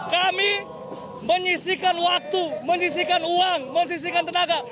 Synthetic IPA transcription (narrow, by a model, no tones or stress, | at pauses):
kami | məɲisikanwak̚t̪uməɲis̬ikanuaŋməɲs̬is̬ikant̪ənaɡa